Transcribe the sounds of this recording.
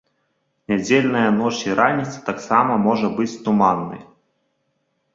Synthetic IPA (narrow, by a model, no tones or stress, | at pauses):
nʲad͡zʲelʲnɐjɐnɔt͡ʂiɾanʲit̪sɐ̥t̪aksamɐmɔʐɐbɨt͡sʲt̪umanːɨ̰j